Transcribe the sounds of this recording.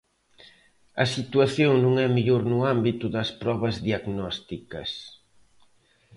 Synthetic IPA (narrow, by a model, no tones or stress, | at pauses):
ɐsit̪waθjoŋnũŋɛmeʎoɾnʊambit̪ʊðɐspɾɔβɐzðiaɣnɔst̪ikɐ̰s